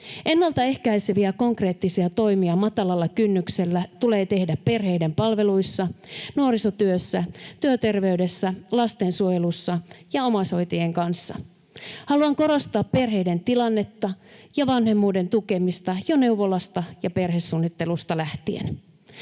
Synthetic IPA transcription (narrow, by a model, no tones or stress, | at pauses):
ʔe̞nːɑlt̪ɑe̞hkæiseʋiæko̞ŋkre̞ːt̪ːisiɑt̪o̞jmiɑmɑt̪ɑlɑlːɑkynːykse̞lːæt̪ule̞ːt̪e̞hdæppe̞rɦe̞jde̞mpɑlʋe̞lujsːɑnuoɾiso̞t̪yøsːæt̪yøt̪e̞rʋe̞yde̞sːælɑst̪e̞nsuojelusːɑjɑo̞mɑso̞jt̪ejeŋkɑnsːɑ̰ | hɑluɑŋko̞ɾost̪ɑːppe̞rɦe̞jde̞nt̪ilɑnːe̞t̪ːɑjɑʋɑnhe̞mːuːde̞nt̪uke̞mist̪ɑjone̞wʋo̞lɑst̪ɑjɑperɦe̞sːuːnːit̪ːe̞lust̪ɑlæht̪iḛn